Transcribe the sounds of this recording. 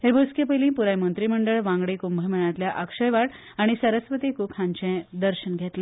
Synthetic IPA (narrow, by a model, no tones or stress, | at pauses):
hebʱoskjepəjlĩːpuɾajmənt̪ɾiməɳɖəɭʋãŋɡɽekumbʱəjmənat̪ljaʔəkʂəjʋaɽ | aɽ̃isəɾəsʋət̪ikukʰãɲt͡ɕɛ̃d̪əɾɕənɡʱet̪le